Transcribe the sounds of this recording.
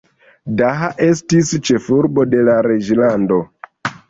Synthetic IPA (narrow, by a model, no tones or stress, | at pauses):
daɦaʔestist͡ʃefuɾbode̞laɾed͡ʒlando